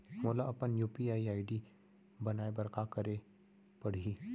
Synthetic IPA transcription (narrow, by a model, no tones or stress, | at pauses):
moːlaɐpənjuːpiaːiaːiɖi | bɐnaːebɐɾkakəɾe | pəɽ̤iː